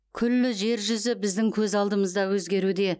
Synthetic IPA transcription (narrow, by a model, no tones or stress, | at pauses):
kʲʰʏlːɪʒe̞ɾʒʏzɪbɪzd̪ɪŋkʲʰɵzɑlˠd̪əməzd̪ɑwɵzɡʲe̞ɾud̪e̞